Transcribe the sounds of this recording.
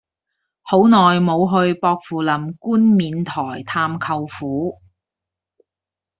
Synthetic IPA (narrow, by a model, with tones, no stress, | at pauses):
ho˨˥wnɔː˨jmo˨˧wɦɵ˧ɥpɔː˧k̚fuː˨˩lɐ˨˩mkuː˥nmiː˨˧nt̪ʰɔː˨˩jt̪ʰaː˧mkʰɐ˧wfuː˨˥